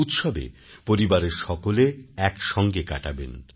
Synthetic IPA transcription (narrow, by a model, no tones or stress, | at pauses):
ut̪ʃɔbḛ | poɾibaɾeɾʃɔkoleɛkʃɔŋɡeka̰ʈabḛn